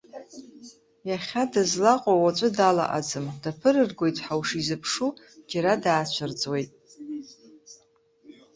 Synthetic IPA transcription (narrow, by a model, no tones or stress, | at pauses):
jaχʲadazlaqʼawat͡ʃʷʼɨdala̰ʔa̰d͡zɨmdapʰɨrɨrɡʷojtʰʼħawʂizɨpʰʂu | d͡ʒaɾadaːt͡ɕʷʰɨrd͡zʼwe̞jtʼ